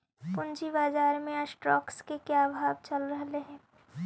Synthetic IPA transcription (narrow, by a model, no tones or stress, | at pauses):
pʊnt͡ʃibaːzaːɾmẽɐsʈɾɔːkskekjaːbʱaːʋt͡ʃɐlɾɐɦleɦɛ̃ː